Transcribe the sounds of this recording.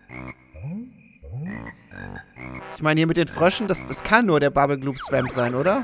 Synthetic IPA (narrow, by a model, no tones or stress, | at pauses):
ʔɪçmaɪnəhiːmɪtd̥eːnfʁ̥œʃn̩d̥asd̥askʰanːuːɐɾeːɐbabl̩ɡluːpsv̥ɛmpz̥aɪnʔoːɾɐ